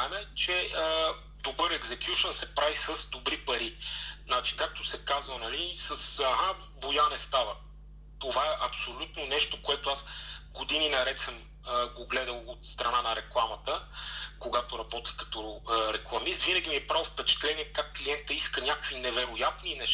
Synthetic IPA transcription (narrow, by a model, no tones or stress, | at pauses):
aɛmɛt͡ʃɛə | d̪obɤɾɛɡzɛkjuʃənsɛpɾavisəzd̪obɾipɐɾiznat͡ʃi̥kak̚t̪osɛkazvənɐlisəsɦavojanɛst̪avə | t̪ovaɛʔɐpsolʲut̪nonɛʃt̪okoɛt̪oasɡod̪ininɐɾɛt̪səm | əɡoɡlɛd̪əlˠot̪st̪ɾɐnanɐɾɛklˠamɐt̪əkoɡat̪oɾɐbɔt̪ixkɐ̥t̪ɔɾɛklˠɐmist̪vinəɡʲimiɛpɾalˠfpɛt͡ʃɛ̥t̪lɛniɛkakːlʲiɛnt̪əiskənʲakovinɛvɛɾojat̪ninɛʃ